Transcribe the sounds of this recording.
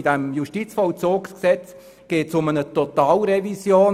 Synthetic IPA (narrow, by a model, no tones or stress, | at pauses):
idɛmjuʃtit͡sfɔlt͡soːksksɛt͡s | ɡ̥eːtsʊmənətɔt̪ɑːlɾɛvisjoːn